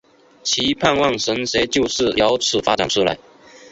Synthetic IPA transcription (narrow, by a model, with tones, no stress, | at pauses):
t͡ɕʰi˧˥pʰa˥˧nwɑ˥˨ŋʂə˧˥ŋʂe˧˥ɪt͡ɕjo˥˧ʊʂɻ̩˥˩˨jɑ˧˥ʊt͡sʰɻ̩˨˩fa˥ʈ͡ʂa̰˨˩nʂʰu˥˧la̰˧˥ɪ